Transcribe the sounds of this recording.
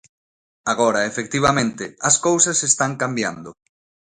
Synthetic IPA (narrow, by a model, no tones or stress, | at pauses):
aɣɔɾɐefek̚t̪iβ̞ɐmẽnt̪ɪɐskowsɐsest̪aŋkambja̰nd̪ʊ